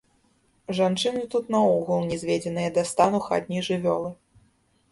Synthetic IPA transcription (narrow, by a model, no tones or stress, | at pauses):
ʐant͡ʂɨnɨt̪ut̪nɐɔɣulˠnʲɛzʲvʲed͡zʲɛnɨjɐd̪ɐast̪anuxa̰d̪̚ʲnʲijʐɨvʲɔlˠɨ